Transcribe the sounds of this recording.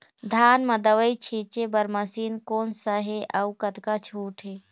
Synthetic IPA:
d̪ʱaːnməd̪əʋəjt͡ʃʰit͡ʃebəɾməsiːnkoːnsəɦeʔəukət̪kat͡ʃʰuːʈʰɦe

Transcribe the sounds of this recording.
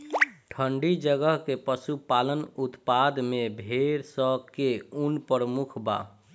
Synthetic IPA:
ʈʰəɳɖid͡ʒəɡəɦkepəsupalənut̪pad̪mebʱeɾsəkeunpəɾəmukʰba̰

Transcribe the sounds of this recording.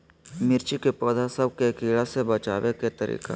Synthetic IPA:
mɪɾt͡ʃikepɔːd̪ʱasɐb̚kekiːɭasebɐt͡ʃaːweket̪ɐɾḭːka̰

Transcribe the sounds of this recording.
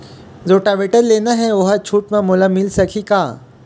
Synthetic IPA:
zoːʈaʋeːʈəɾleːnaɦɛʋoɦt͡ʃʰuːʈmẽmoːlamɪlsɐkʰikaː

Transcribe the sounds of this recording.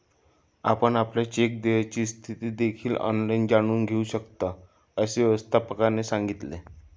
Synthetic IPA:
a̰pəɳapljat͡ɕek̚d̪ejat͡ɕiːst̪ʰit̪iːd̪ekʰiːlɔ̰nlajnd͡ʑaɽ̃uːnɡʱeuɕəkt̪a | əɕeʋəst̪ʰapəkanesaŋɡit̪le

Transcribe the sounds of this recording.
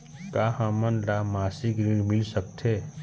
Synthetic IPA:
kaːhãmənlaːmaːsikɾiɾmɪlsək̚t̪ʰeː

